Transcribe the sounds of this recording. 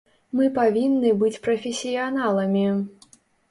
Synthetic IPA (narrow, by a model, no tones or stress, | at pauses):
mɨpavʲinːɨbɨt͡sʲpɾɐfʲesʲijanalˠɐmʲi